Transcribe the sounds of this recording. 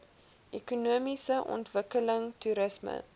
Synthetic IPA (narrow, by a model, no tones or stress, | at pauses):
ʔɛkunuəmisəʔɔ̰ntvəkələŋtuɾəsmə̰